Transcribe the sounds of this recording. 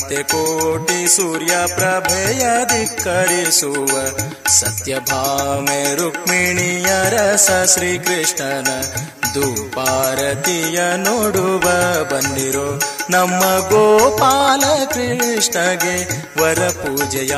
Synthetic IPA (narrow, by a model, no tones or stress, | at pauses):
t̪jekoːʈisuːɾjapɾɐbʱeːjɐd̪ʱikːɐɾisuʋɐ | sɐt̪jɐbʱaːmeɾukmiɳijɐɾɐsɐʃɾiːkɾiʂɳɐnɐ | d̪uːpaːɾɐt̪ijɐnoːɽuʋɐbɐnd̪iɾoːnɐmːɐɡoːpaːlɐkɾiʂɳɐɡe | ʋɐɾɐpuːd͡ʒɐja